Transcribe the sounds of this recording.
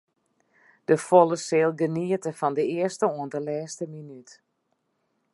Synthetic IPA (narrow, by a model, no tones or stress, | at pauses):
d̥əfolˠəsɪːlˠɡəniətəfɔndəɪərstəuəndəlɛːstəminyt